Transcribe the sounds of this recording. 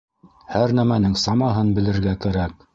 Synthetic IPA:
hæɾnæmænɘŋsɑmɑɦɤnbɘ̆lɘ̆ɾɡækæɾæk̚

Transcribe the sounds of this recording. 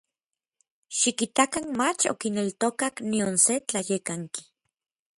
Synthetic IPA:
ʃikit̪akanmat͡ʃo̰kinelt̪okaknionset͡ɬajekaŋki̥

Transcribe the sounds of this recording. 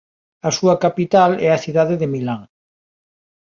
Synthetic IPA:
ɐsuɐkapit̪alɛɐθiðaðɪðemilaŋ

